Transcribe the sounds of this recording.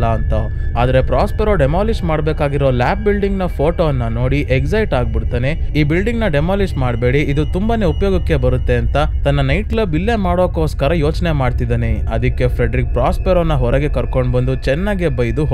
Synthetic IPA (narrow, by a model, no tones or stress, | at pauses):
ɐɐnt̪ɐaːd̪ɐɾe̞pɾaːspeɾo̞ɖemaːlismaːɽbeːkaːɡiɾo̞ːlaːp̚bilɖiŋɡnɐpʰoːʈoɐnːɐno̞ːɽiʔeksɐjʈaːɡ̚biɽt̪aːne̞iːbilɖiŋɡnɐɖemoːlismaːɽbe̞ːɽiid̪ut̪umbaːne̞upɐjoːɡɐkːe̞bɐɾut̪ːe̞ɐnt̪ɐt̪ɐnːɐnɐjʈklɐbilːemaːɽoːkoːskɐɾɐjo̞ːt͡ʃne̞maːɖt̪id̪ane | ɐd̪ikːe̞pʰɾeɖɾik̚pɾaːspeɾoːnːɐɦɔɾɐɡe̞kɐɾkoɳɖbɐnd̪ut͡ʃɛnːaːɡebɐjd̪uɦ